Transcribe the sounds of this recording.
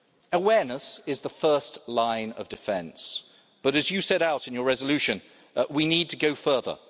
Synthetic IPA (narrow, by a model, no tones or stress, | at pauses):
əwɛɹnəsɪzðəfɜˑ˞stlãɪ̃nʌ̰vdɨfɛ̃ns | b̥ʌɾɨzjɨsɛɾaʊɾɨ̃njə˞ɹɛzəlʉʃɨ̃n | winid̚tʰəɡoʊfɜ˞ðə̰